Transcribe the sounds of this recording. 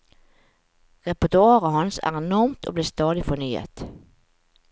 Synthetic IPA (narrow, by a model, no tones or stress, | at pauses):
ʁɛpʊɔt̪ʊɑːʁəhɑnsæ̰ːʁɛnɔʁmt̪ʰo̰ːbliːst̪ɑːd̪ɪfɔnyːə̰t̪